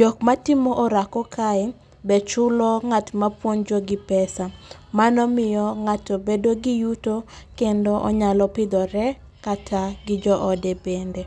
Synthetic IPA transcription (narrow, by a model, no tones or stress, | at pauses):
d͡ʒɔk̚matɪmɔʔɔɾakɔkʰaɛ | bɛt͡ʃʊlɔŋatmapwond͡ʒɔɡɪpɛsa | manɔmɪjɔŋatobedoɡɪjutokendoʔɔɲalɔpɪd̪ɔɾɛ | katʰaɡɪd͡ʒɔʔɔdebende